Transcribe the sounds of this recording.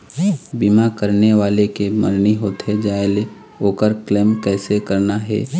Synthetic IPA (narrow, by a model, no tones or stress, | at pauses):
bimakəɾneʋaːlekeməɾniɦoːt̪ɦɛd͡ʒaːele | oːkəɾklɛːmkɛːsekɐɾnaɦɛ̰ː